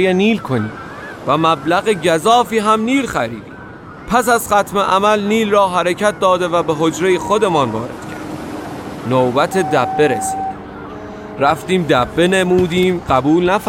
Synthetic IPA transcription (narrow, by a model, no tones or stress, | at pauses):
jeniːlkʰoniːm | væmæblæɣeɟæzɒːfiːɦæmniːlxæɾiːd̪ḭːm | pʰæs̬æzχæt̪ʰmeʔæmælniːlrɒːɦæɾecʰæt̪̚d̪ɒːd̪e̞væbeɦo̞d͡ʒɾe̞jexod̪e̞mɒːnvɒ̰ːɾe̞̰d̪̥cʰæ̰ɾd̪iːmnobæt̪ʰe̞d̪æbːe̞ɾesiːd̪im | ɾæft̪iːmd̪æbːe̞nemuːd̪iːmɢæbuːlnæf